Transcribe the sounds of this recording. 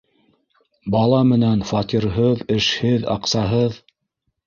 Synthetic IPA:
bɑlˠɑmɘ̆nænfɑt̪ʲiɾɦɤðɘ̆ʃhɘðɑ̰qsɑɦɤð

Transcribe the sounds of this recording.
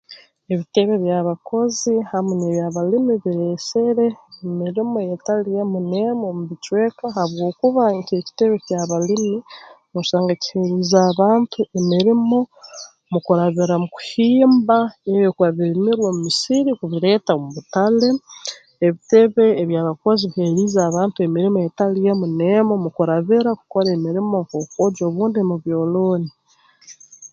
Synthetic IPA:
e̞βite̞βe̞βjaβakʰo̞zihameneβjaβalimiβiɾeseɾe̞ːmiɾimo̞jetalijemunemomuβit͡ʃweːkaɦaβwo̞ːkuβaɲce̞ːci̥te̞βe̞caβalimi | moʃaːŋɡaci̥heɾuzaːβaːntʰuʔemiɾimo̞ | mukuɾaβiɾamuku̥hiːmbaeβokuaβilimiɾwomumisiɾikuβiɾe̞ːtamuβutale̞ː | βite̞βe̞ːβjaːβakoziβihe̞ɾiːzaːβaːntue̞miɾimoetalijemunemomukuɾaβiɾaku̥ko̞ɾemiɾimo̞ŋkoːkoːɟo̞ːβuːndimuβjo̞ːloːni

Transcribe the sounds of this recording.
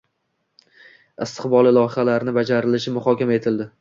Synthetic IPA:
ɪst̪ʰɪ̥qbɒlˠɪlˠɒhɪχalaɾnɪbad͡ʒaɾɪlɪʃɪmʊχɒkʲamae̞t̪ʰɪld̪ɪ

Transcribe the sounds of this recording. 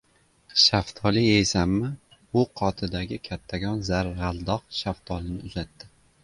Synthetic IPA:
ʃaft̪ʰɒlɪejsamːɪ | ʊqʰɒt̪ʰɪd̪aɡʲɪkʲʰat̪ʰːaɡʲɒnzaɾʁalˠd̪ɒq̚ʃaft̪ʰɒlɪnɪʊzat̪ːɪ

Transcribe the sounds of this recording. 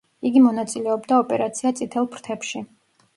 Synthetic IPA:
iɡimɔnat̪sʼilɛɔbd̪aɔpʼɛɾat̪sʰiat̪sʼit̪ʰɛlˠpʰɾt̪ʰɛpʃi

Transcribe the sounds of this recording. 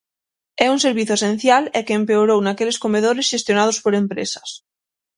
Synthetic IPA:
ɛunse̞ɾβ̞iθoesẽn̟θjalekeːmpeoɾownakeleskomeð̞oɾesʃest̪jonaðospoɾempɾḛsḁs

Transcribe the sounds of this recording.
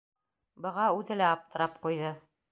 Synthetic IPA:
bɤ̆ʁɑʉðɘlæɑp̚t̪ɤ̆ɾɑp̚qujðɤ

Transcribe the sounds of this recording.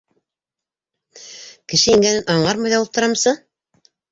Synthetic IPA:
kɘ̆ʃɘiŋɡænɘnʔɑɴɑɾmɑjðɑlˠɤp̚t̪ŏɾɑmsɤ

